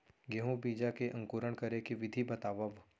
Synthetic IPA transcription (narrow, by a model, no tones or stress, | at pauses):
ɡeɦũbiːd͡ʒakeʔɐ̃ŋkuɾəɳ̃kɐɾekeʋɪd̪ʱibɐt̪aːʋəʋ